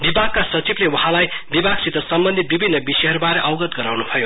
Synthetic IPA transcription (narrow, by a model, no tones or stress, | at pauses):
bibʱaɡ̚kasʌt͡siblewʌɦãlajbibʱaɡsit̪ʌsʌmbʌnd̪ʱit̪̚bibʱinːʌbisʌjɦʌɾubaɾeʔʌwɡʌt̪̚ɡʌɾawnubʰʌjo